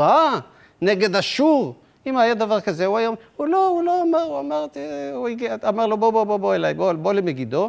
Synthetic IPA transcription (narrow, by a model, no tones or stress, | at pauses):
a | neɡe̞d̪aʃuʁ | imajad̪avaʁkazeuajamuloulo̞amaʁuamaʁt̪iuiɡiamaʁlo̞boboboboelajbobo̞lemeɡid̪o̞